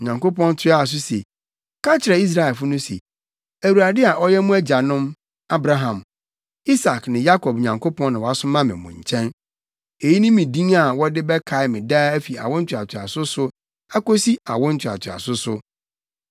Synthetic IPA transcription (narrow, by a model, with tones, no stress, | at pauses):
ɲã˨ŋko˦pɔ̃˦n˦tʰɪ˦a˦a˨s̬ʊ˦sḛ˨ | kʰa˦t͡ɕʰɪ˨ɾɛ˨i˦s̬ɾa˨ɛ˨lfʊ˦nʊ̃˦sḛ˨ | æ˨wu˨ɾa˨dɪ˦a˨ʔɔ˦jɛ˦mũ˦æ˦d͡ʑa˨nʊ̃˦m | a˦bɾa˦ɦã˨m | i˦sa˨knɪ̃˨ja˦kʰɔ˨b̚ɲã˨ŋkʰo˦pɔ̃˦nã˨wa˦sʊ˦mã˦mɪ̰̃˨mʊ̰̃˨ɲ˨t͡ɕʰɛ̃˦n | e˨ji˦nʊ̃˦mĩ˨dĩ˦ŋa˨wɔ˦dɪ˦bɛ˦kʰa˨ɪ˨˦mɪ̃˨da˦æ˦fi˨a̰˨wʊ̃˦n̩˦t͡ɕʰᶣʊ˨a˨tʰɪ˨a̰˨sʊ˦sʊ˦ | a˦ko˦si˦a̰˨wʊ̃˦n̩˦tʰᶣa̰˨tʰɪ˨a̰˨sʊ˦sʊ˦